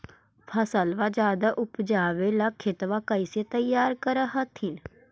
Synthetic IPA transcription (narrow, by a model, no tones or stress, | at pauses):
pʰəsəlʋaːd͡ʒaːd̪aʔʊpd͡ʒaːʋeːlaːkʰːɪt̪ʋaːkəiseːt̪əjaːɾkəɾəɦət̪hɪn